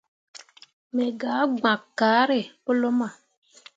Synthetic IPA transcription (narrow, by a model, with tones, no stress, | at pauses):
mɛ˨ɡaː˨˦ɡ͡ba˨kːaː˨˦ɾe˨po˦lo˦ma˨